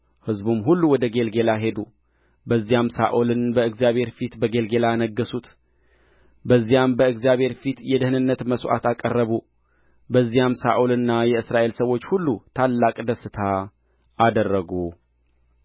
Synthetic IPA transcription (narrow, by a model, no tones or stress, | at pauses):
hɨzbumɦulːuwɔd̪əɡe̞lɡe̞laɦe̞d̪u | bəzːijamsa̰ʔulɨnbəɨɡzijaβhe̞ɾfit̪bəɡe̞lɡe̞lanəɡːəsut̪ | bəzːijambəɨɡzjaβhe̞ɾfit̪jɛd̪əhɨnɨnːət̪məsʔa̰t̪akʼərːəβu | bəzːijamsa̰ʔulɨnːajɛɨsɾaʔe̞lsəwo̞t͡ʃːhulːut̪ʰalːakʼd̪əsɨt̪ʰa | ʔad̪ərːəɡu